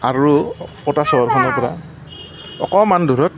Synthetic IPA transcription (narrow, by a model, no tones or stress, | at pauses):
aɹupɔtasɔɔɹkʰɔnɔɹpɔɹa̰ | ɔ̰kɔmandʱuɹɔt̚